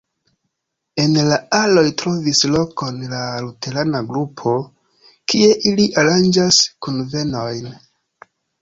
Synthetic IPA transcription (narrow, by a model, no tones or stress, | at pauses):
e̞nlaalo̞jtɾo̞vislo̞ko̞nlalute̞ɾanaɡɾupʰo̞ | kie̞ʔiliʔaɾand͡ʒaskunve̞no̞jn